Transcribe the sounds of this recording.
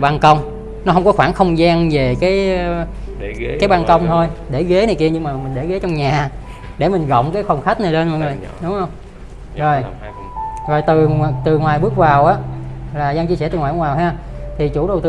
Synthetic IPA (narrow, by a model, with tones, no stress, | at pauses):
ɓaː˧nkə˧wŋ͡m | nɔ˨˦ɦə˧wŋ͡mkɔ˨˦xwaː˧˩nxə˧wŋ͡mzaː˧ŋve˨˩kaː˨˦j | kaː˨˦jɓaː˧nkə˧wŋ͡mt̪ʰo˧jɗe˧˩ɣe˨˦naː˨˩jki˧əɲɨ˧ŋmaː˨˩mi̟˨˩ɗe˧˩˦ɣe˨˦t͡ɕwŋ͡mɲaː˨˩ | ɗe˧˩mï˨˩ŋ̟ɣə̰˧˨wŋ͡mkaː˨˦jxwɔ˨˩ŋ͡mxa˦˥k̚naː˨˩le˧nmɔ̰˧˨ŋɨ˨˩j | ɗʊ˨˦ŋ͡mhə˧wŋ͡m | zo˨˩j | zo˨˩jt̪ɨ˨˩t̪ɨ˨˩ŋwaː˨˩jɓɨ˦˥ək̚vaː˨˩wʔaː˨˦˥laː˨˩zaː˧ŋt͡ɕi˧sɛ˧˥˩t̪ɨ˨˩ŋwa˨˩˨ŋwaː˨˩whaː˧t̪ʰi˨˩t͡ɕṵ˧˩˥ɗə˨˩wt̪ɨ˧